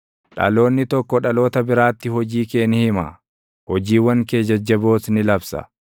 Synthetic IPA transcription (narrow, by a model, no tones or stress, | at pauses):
ᶑɐ̰lo̞ːnːɪt̪ɔkːɔᶑɐlo̞ːt̪ɐbɪɾaːt̪ːɪhɔd͡ʒiːke̞ːnɪhɪmɐ̰ | hɔd͡ʒiːwːɐŋkeːd͡ʒɐd͡ʒːɐbo̞ːsnɪlɐbsɐ̰